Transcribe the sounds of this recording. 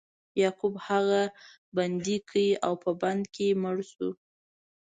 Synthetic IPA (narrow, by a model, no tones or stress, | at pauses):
jɑkubhaɣa | band̪ikʰəjiʔawpəband̪keməɽsṵ